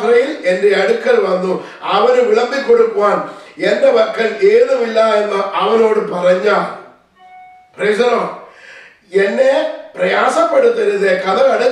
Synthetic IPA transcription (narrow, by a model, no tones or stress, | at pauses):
rɐjilendeɐɽukːɐlʋɐnːu | ɐʋɐnuʋɪɭɐmbikːoɽukːɯʋaːnend̪ɐʋɐrkːɐleːðumilːaenːɐʔɐʋɐno̞ːɽɯpɐrɐɲːaː | presɐnoː | enːeprɐjaːsɐpːɐɽɯt̪ːɐɾɐðekɐðɐlɐɽɯ